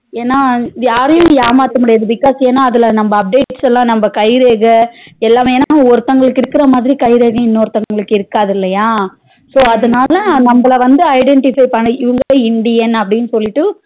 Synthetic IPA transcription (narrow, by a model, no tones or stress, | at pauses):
eːnːaːjaːɾɐjʊ̃jaːmaːt̪ɯmɪɽɪjaːðɯbɪkːaːseːnːãːɐðɪlɐnɐmbɐːp̚ɖeːʈsɛlːãːnɐmbɐkɐɪɾeːɣɐɛlːaːmeːnːaːɔɾɯt̪ːɐŋɡɐɭɯkːɪɾɯkːɯɾɐmaːðɪɾikɐɪɾeːɣɐ̃ɪnːɔɾɯt̪ːɐŋɡɐɭɯkːɪɾɯkːaːðɪlːɐjaː | soːɐðɯnaːlɐnɐmbɐɭɐʋɐnd̪ɯɐɪɖɛɳʈɪfɐɪpaːɳɯɪʋɐŋɡɐʋeːɪɳɖɪjɛnɐpːɐɽɪnːɯsɔlːɪʈːɯ